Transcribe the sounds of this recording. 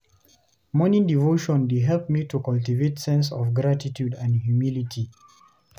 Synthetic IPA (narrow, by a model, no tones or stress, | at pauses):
mɔnĩndivoʃɔ̃nduɦɛlp̚mitʰukaltivetsɛ̃ns̬ɔvɡɹatitʰjudãndhjumilitʰi